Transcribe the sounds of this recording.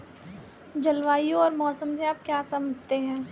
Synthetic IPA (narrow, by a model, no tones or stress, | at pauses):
d͡ʒɐlʋaːijõɔːɾmɔːsəmseaːp̚kjaːsɐməd͡ʒʱt̪eɦɛ̃ː